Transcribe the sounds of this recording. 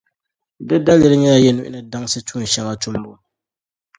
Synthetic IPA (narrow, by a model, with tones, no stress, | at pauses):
dɨ˦da˦lɨ˦ɾɨ˦ɲɛ˦ja˦jɛ˦nu˦ʔɪ̰˦nɨ˦da˦ŋsɨ˦tuː˦˨n̩˨ʃɛ˦ŋa˦tʊ˦mbo˦